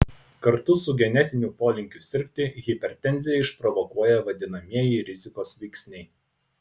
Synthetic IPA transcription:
kɐɾt̪ʊsʊɡʲɛnʲɛt̪ʲɪnʲʊpoːlʲɪŋʲkʲʊsʲɪɾʲpʲt̪ʲɪɣʲɪpʲɛɾʲt̪ʲɛnʲzʲɪjɛɪʃpɾɔʋɔkuɔjɛʋɐd̪ʲɪnɐmʲiɛjɪɾʲɪzʲɪkoːsʋʲɛɪksʲnʲɛɪ

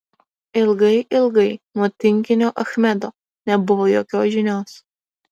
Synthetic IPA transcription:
ɪlˠɡɐɪʔɪlˠɡɐɪnuɔt̪ʲɪŋʲkʲɪnʲoːʔɐxmʲɛd̪oː | nʲɛbʊʋoːjoːkʲoːsʒʲɪnʲoːs

